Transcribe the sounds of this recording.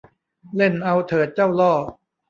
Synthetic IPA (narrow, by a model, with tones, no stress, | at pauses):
le˥˩nʔa˧wt̪ʰɤː˩˦t̪̚t͡ɕa˥˩wlɔː˥˩